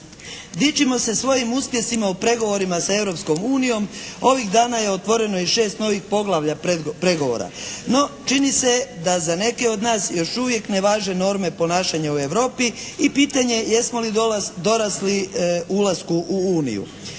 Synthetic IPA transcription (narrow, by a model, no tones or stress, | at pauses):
d̪it͡ʃimo̞se̞sʋo̞jimuspje̞simaupɾe̞ɡo̞ʋo̞ɾimasae̞ʋɾo̞psko̞muːnijo̞mo̞ʋiɣd̪aːnaje̞ot̪ʋo̞ɾe̞no̞iʃe̞ːst̪no̞ʋixpo̞ɡlˠaʋʎapɾe̞ɡo̞ʋo̰ɾa̰no̞t͡ʃinise̞d̪azane̞ke̞o̞d̪naːsjo̞ʃuʋje̞kne̞ʋaːʒe̞no̞ːɾme̞po̞naːʃaɲaue̞ʋɾo̞ːpiːpiːt̪aɲe̞jesmo̞lid̪o̞ɾasliulˠaskuʔuuːnḭjṵ